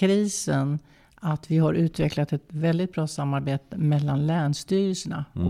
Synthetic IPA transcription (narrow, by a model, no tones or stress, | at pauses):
ɾiːsən | at̪vɪɦaɾʔʉ̟ːt̪vɛklat̪ɛt̪vɛld̪ɪt̪̚bɾɑːsamːaɾbeːt̪əmɛlːanlæːɳʂt̪yːɾəlsəɳa̰ɔ